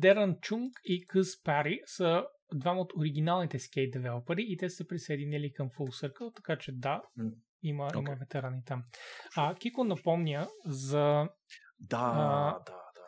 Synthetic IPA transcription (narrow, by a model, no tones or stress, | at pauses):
d̪ɛɾɐnt͡ʃuŋkikəspaɾisɐ | d̪vaməot̪oɾiɡ̟inalˠnit̪ɛskʲɛjt̪̚d̪ɛvɛlˠəpɐɾiːt̪ɛsɛpɾisɛːd̪inilikɐmfulˠsɤɾkət̪ɐ̥kat͡ʃɛd̪a | iməimɐvɛt̪ɛɾanit̪am | k̟ikonɐpɔmnʲjəzɐ | d̪ad̪a